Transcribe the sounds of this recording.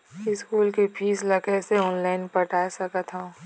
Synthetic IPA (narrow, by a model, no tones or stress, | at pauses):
ɪskuːlkepʰiːslɐkeseɔːnlaːɪnpəʈʰaːsɐkət̪ɦã